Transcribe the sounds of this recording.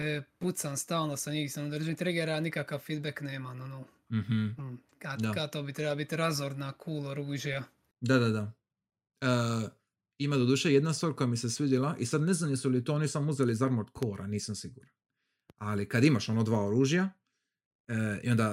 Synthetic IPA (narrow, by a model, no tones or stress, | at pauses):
ɛput̪sanst̪aːlnosaɲisanud̪r̩ʒit̪ɾɛɡeɾaanikakawfid̪beknɛmanunu | m̩ɦm̩ | kad̪akat̪obit̪ɾɛbalabit̪ʲɾazoɾd̪nakʰuːlˠoɾuːʒija | d̪ad̪ad̪a | əː | imad̪od̪uːʃejed̪nast̪ʋaːɾkojamisesʋid̪ilaʔisad̪neznanisulit̪oonisamouzelizaɾmoɾt̪kʰoːɾa̰niːsamsiɡuɾan | alikad̪imaʃo̞nod̪ʋaːoɾuːʒja | ḭo̞nd̪a